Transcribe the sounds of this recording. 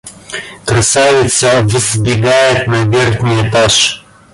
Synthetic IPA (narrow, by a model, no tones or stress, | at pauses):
kɾɐsavɛt̪sɐvəzbiɡajɛt̪nɐɡɛɾt̪nijat̪aʃ